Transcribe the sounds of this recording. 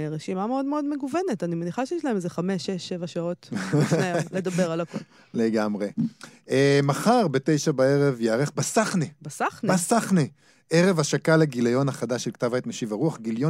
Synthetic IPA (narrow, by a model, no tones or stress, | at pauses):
ʁeʃimameo̞dmeo̞d̪me̞ɡuvene̞tanimaniχaʃejeʃlahemzeχame̞ʃːeʃevaʃao̞teled̪abe̞ʁalako̞l | leɡamʁe̞emaχaʁbete̞jʃabaeʁevjeaʁeχbasaχnebasaχnbasaχne | eʁe̞vaʃakaleɡilajo̞naχadaʃelkt̪avajt̪meʃivaʁuaχɡiljo